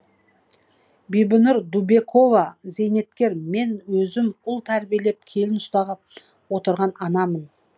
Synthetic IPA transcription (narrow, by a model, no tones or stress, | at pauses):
bijbɪnuɾd̪ube̞kʰo̞vɑze̞jne̞t̪kʲe̞ɾme̞nwɵzɪmʊlˠt̪ʰæɾbije̞le̞p̚kʲʰe̞lɪnʊst̪ɑʁəp̚ | wo̞t̪əɾʁɑnɑnɑmən